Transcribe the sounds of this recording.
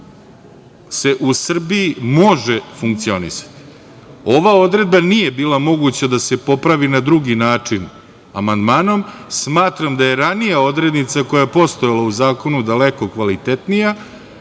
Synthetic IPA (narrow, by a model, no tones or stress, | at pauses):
se̞ʔusr̩biimo̞ʒe̞fuŋk̚t̪sio̞nḭsḁt̪i̥ | o̞ʋao̞d̪ɾe̞d̪banije̞biːlˠamo̞ɡut͡ɕad̪ase̞po̞pɾaʋinad̪ɾuɡinaːt͡ʂin | a̰mand̪maːno̞msmaːt̪ɾamd̪aje̞ɾanijao̞d̪ɾe̞d̪nit̪sako̞jaepo̞st̪o̞jalauzaːko̞nud̪aleko̞kʋalit̪e̞t̪nija